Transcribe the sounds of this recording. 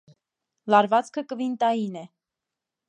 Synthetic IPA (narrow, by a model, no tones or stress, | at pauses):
lɑɾvɑt͡skʰəkəvint̪ɑjinɛ